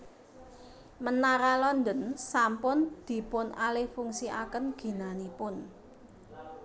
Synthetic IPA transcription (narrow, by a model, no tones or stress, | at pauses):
mənaɾalɔnd̪ənsampʊnd̪̥i̤pʊnalɪhfuŋsia̰kənɡ̥i̤nanipʊn